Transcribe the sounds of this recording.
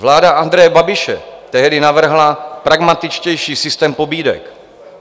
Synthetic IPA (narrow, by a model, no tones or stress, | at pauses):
vlaːdaʔand̪ɾɛjɛbabɪʃɛ̰t̪ɛɦdɪnavr̩ɦlapɾaɡmat̪ɪt͡ʃcɛjʃiːsɪst̪ɛːmpo̞biːdɛ̰k